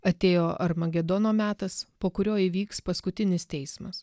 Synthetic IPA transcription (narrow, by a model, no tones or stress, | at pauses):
ɐt̪ʲeːjoːʔɐɾmɐɡʲɛd̪ɔːnoːmʲæːt̪ɐspoːkʊɾʲoːɪʋʲiːkspɐskʊt̪ʲɪnʲɪst̪ʲɛɪsmɐs